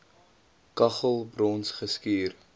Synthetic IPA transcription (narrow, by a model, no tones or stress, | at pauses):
kɐχəlˠbrɔnsχəskiːr